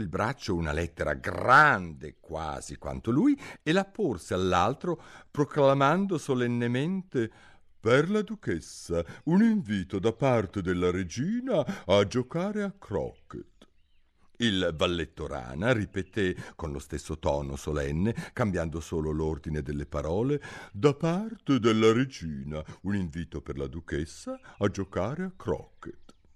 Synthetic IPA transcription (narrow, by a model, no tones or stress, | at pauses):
ilbɾat͡ʃːouna̰lɛt̪ːeɾa̰ɡrand̪ekwa̰ːzikwa̰nt̪olujelapːorsealːalt̪ɾopɾoklamand̪osolenːement̪e | perlad̪ukɛsːauniɱviːt̪od̪apart̪ed̪elːaɾed͡ʒiːnaːd͡ʒokaːɾeakɾɔ̰kːḛt̪ | ilvalːet̪ːoɾa̰ːnaripet̪ekonlo̰st̪esːot̪ɔːno̰solɛnːekambjand̪osoːlolord̪ined̪elːepaɾɔːled̪apart̪ed̪elːaɾed͡ʒiːnauniɱviːt̪operla̰d̪ukesːaad͡ʒokaːɾeakɾɔ̰kːet̪